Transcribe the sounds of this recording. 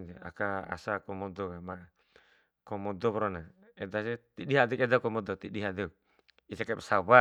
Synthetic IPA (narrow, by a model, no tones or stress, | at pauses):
dea̰kaa̰sakɔmɔd̪ɔkema | kɔmɔd̪ɔpɾɔna | ɛdaset̪iɗiɦad̪ɛkɛdakɔmɔd̪ɔt̪iɗiɦad̪ɛk̚ | isekapasawa